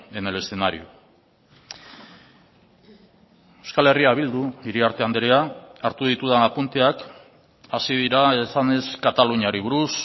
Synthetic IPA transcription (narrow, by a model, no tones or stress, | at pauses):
enele̞senaɾḭo | ewskale̞riaβ̞ild̪uiɾiaɾt̪e̞and̪eɾeaaɾt̪uð̞it̪uð̞aapunt̪eak | asiðiɾaesane̞skat̪aluɲiaɾiβuɾus